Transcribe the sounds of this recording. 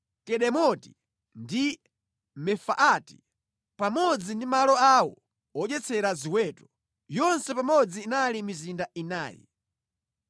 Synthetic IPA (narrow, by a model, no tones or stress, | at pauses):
kɛɗɛmɔti̥ | ndi | mɛfaʔati̥ | pamɔd͡zindimalɔawɔ | ɔʄɛt͡sʰɛɾaziwɛːtɔ̥ | jɔnsɛpamɔd͡ziːnalimizindaina̰ːjḭ